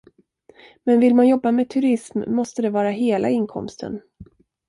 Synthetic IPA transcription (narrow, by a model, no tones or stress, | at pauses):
mɛnvɪlmanjɔbːameːt̪ʰɵɾɪsmːɔst̪əd̪ɛvɑːɾaɦeːlʔa̰ɪnkʰɔ̰mst̪ʰə̰n